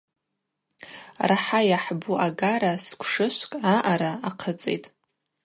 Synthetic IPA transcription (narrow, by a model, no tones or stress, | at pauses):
raħajaħbuaɡaɾaskʷʰʂɨʃʷkʼaʔaɾaaqʰət͡sʼḛjtʼ